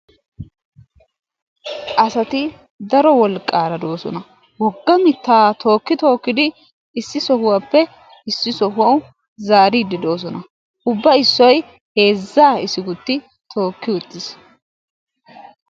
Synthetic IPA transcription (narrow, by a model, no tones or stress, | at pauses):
ʔɐsɐt̪ɪ | d̪ɐɾɔwɔlkʼːaːɾɐd̪o̞ːsɔ̰nɐ | wɔɡːɐmɪt̪ːaːt̪ʰo̞ːkːɪt̪o̞ːkːɪd̪ɪː | sːɪsɔhʊwapːɛ | ɪsːɪsɔɦʊwɐw | zaːɾiːd̪ɪd̪o̞ːs̬ɔnɐ | ʔʊbːɐɪsːɔj | he̞ːzːaːɪsːɪɡʊt̪ːɪ | t̪ʰo̞ːkːɪwʊt̪ːɪs